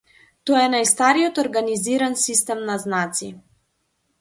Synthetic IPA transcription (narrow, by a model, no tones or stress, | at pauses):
t̪ɔjɛnajst̪aɾiɔt̪ɔɾɡaniziɾansist̪ɛmnaznat̪si